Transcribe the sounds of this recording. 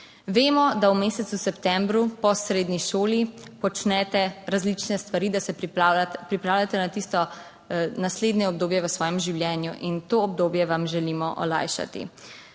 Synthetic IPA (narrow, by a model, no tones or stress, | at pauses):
ʋeːmɔd̪awmeːsɛt̪susɛpt̪ɛ̃mbɾupɔsɾeːd̪niʃoːlipɔt͡ʃnɛt̪ɛɾazlit͡ʃnɛst̪ʋaɾiːd̪asɛ | pɾipɾaːwlʲjat̪ɛnat̪ist̪ɔ | nasleːd̪nɛɔb̚d̪oːbjɛʋəsʋɔːjɛmʒiwljɛːnjuʔint̪oːɔb̚d̪oːbjɛʋamʒɛlimɔʔɔ̰la̰ːjʃa̰t̪ḭ